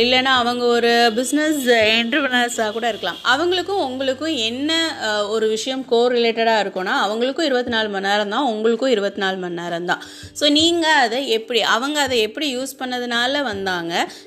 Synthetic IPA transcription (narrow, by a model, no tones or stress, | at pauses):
ɪlːɛnːaːɐʋɐŋɡɐɔɾɯbɪsnɛsɛɳɖɾɐpɐnaːsaːkuːɽɐɪɾɯkːɐla̰ːmɐʋɐŋɡɐɭɯkːʊ̃ʊŋɡɐɭɯkːʊ̃ɛnːɐɔɾɯʋɪʂɐjɐmkoːɾɪleːʈɐɽaːɪɾɯkːõːnːaːɐʋɐŋɡɐɭɯkːʊ̃ɪɾɯbɐt̪ːɯnaːlɯmɐnːaːɾɐmd̪ãːʊŋɡɐɭɯkːʊ̃ɪɾɯbɐt̪ːɯnaːlmɐnːaːɾɐmd̪ã̰ː | soːniːŋɡɐːðɐɛpːɐɽiʔɐʋɐŋɡɐːðɐɛpːɐɽijuːspɐnːɐðɯnaːlɐʋɐnd̪aːŋɡɐ